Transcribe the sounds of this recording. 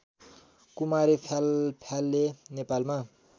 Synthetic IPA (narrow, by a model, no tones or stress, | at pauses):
kumaɾipʰalpʰjalːenepalma